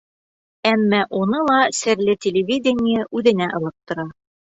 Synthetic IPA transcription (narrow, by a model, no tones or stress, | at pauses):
æmːæʔunɤlˠɑsɘ̆ɾlɘtʲɪlʲɪvʲidʲɪnʲɪjəʔʉðɘ̆næʔɤ̆lˠɤp̚t̪ŏɾɑ